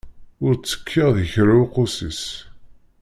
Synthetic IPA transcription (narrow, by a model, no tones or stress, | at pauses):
ʊɾt͡sːə̥kʰːɪʁðəçɾawqosis